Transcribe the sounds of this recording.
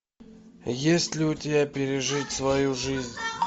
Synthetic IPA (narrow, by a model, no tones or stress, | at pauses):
jesʲtʲlʲɪʊt̪ʲɪbʲapʲɪɾʲɪʐɨtʲsvɐjuʐɨzʲnʲ